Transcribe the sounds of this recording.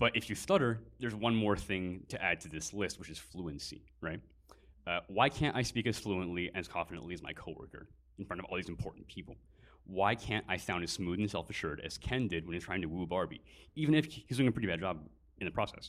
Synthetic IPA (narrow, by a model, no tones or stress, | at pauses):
b̥ʌɾɨfjɨstʌɾə˞ðə˞zwʌ̃nmɔɹθɪ̃ŋtʰɨʔæd̚tʰɨðɪslɪst̚wɨt͡ʃɨz̥fluɨ̃nsḭɹaɪt̚ | ʌwaɪkʰæ̃ntaɪspikɨz̥fluə̃nʔliʔɨz̥kʰɑ̃ɱfəɾɨ̰̃nʔliɨzmaɪkʰoʊwɜ̰˞kə̰˞ | ɨ̃n̩fɹʌ̃ñtʌvɔ̰lˠðizmpʰɔ̰ɹʔn̩pʰipl̩ˠ | waɪkʰæ̃nta̰ɪsãʊ̃ndɨz̥smuðn̩sɛlˠfɨʃʊɹɾɨ̰z̥kʰɛ̃ndɪd̚wɨ̃nɨztʰɹ̥aɪ̃ŋtʰɨwubɑɹbḭivɨ̃ñɨfhizdʉ̃ɪ̃ŋəpʰɹɪɾibæd̚d͡ʒɑb | ɨ̃n̩ðɨpʰɹ̥ɔsɛ̰s